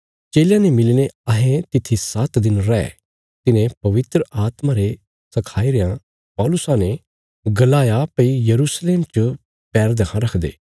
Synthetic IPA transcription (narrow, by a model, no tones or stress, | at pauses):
t͡ʃeːljãnemɪlineɐɦẽt̪ɪt̪ʰːisɐt̪d̪ɪnɾɛ | t̪ɪnẽpɐʋɪt̪ɾəʔaːt̪mãɾe | sɐkʰaːiɾejã | pɔːlʊsãne | ɡɐlaːjapɐijɐɾuːsleːmt͡ʃə | pɛːɾd̪ɐkʰãɾɐkʰd̪ḛː